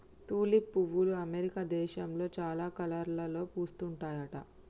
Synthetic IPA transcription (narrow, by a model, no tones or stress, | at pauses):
t̪uːlipːuʋːuluɐmeɾikaːd̪ɛːʃɐmlo̞ːt͡ʃaːlaːkɐlɐɾlɐlo̞ːpuːst̪uɳʈaːjɐʈɐ̰